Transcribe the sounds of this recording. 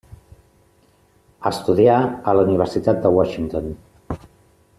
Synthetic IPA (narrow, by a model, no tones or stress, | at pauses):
əst̪uðiaələuniβəɾsit̪at̪̚d̪əwɔʃiŋt̪on